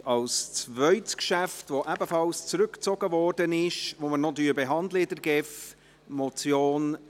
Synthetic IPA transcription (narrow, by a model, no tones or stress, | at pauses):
ɑlst͡svœʏtskʃæftvoʔɛbəfɑlst͡sɾʉkt͡sɔɡəvɔrdənɪʃvomənodyːbɛɦɑndlədəɾɡɛf | mot͡sjoːn